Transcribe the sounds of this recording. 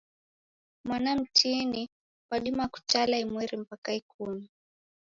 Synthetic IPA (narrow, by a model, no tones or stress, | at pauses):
mwanam̩tini | paɗimaku̥t͡ʃalaimwɛɾim̩pakaikumi